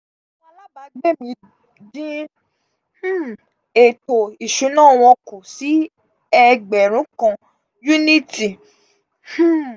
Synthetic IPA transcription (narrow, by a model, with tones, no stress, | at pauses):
ã˧˦la˦ba˧˦ɡ͡be˦˨mĩ˧ | d͡ʒĩ˦˨ | e˨to˨i˨ʃũ˨˦nãː˦˨w̃ɔ̃˧ko˨si˨˦ | ɛ˧ɡ͡bɛ˨ɾ̃ũ˨˦kã˧ | ju˦nĩ˦ti˨˦